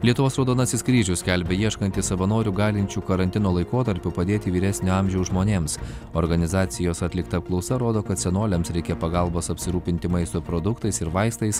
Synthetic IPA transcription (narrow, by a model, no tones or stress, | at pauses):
lʲiɛt̪ʊʋoːsɾoːd̪oːnɐsʲɪskɾʲiːʒʲʊsʲkʲælʲbʲɛjiɛʃkɐnt̪ʲɪssɐʋɐnoːɾʲuːɡɑːlʲɪnʲt͡ʃʲukɐɾɐnt̪ʲɪnoːlˠɐɪkoːt̪ɐɾʲpʲʊpɐd̪ʲeːt̪ʲɪʋʲiːɾʲæsʲnʲʊɑmʲʒʲɛʊʒmoːnʲeːmsoːɾɡɐnʲɪzɑːt̪sʲɪjoːsɐt̪ʲlʲɪkt̪ɐp̚klˠɐʊsɐɾoːd̪oːkɐt̪sʲɛnoːlʲɛmsɾʲɛɪkʲɛpɐɡɐlˠboːsɐpʲsʲɪɾuːpʲɪnʲt̪ʲɪmɐɪst̪opɾod̪ʊkt̪ɐɪsɪɾʋɐɪst̪ɐɪs